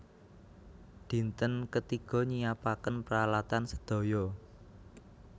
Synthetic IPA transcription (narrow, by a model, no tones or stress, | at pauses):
d̪̥i̤nt̪ənkət̪iɡ̥ɔ̤ɲijapakənpəɾalat̪ansə̥d̪̥o̤jɔ